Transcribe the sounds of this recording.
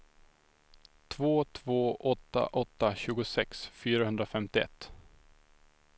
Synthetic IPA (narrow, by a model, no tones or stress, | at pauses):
t̪ʰvoːt̪ʰvoːʔɔt̪ːa̰ʔɔt̪ːaɕʉ̟ːɡʊsɛksfyːɾahɵnd̪ɾafɛmt̪ɪɛ̰t̪ː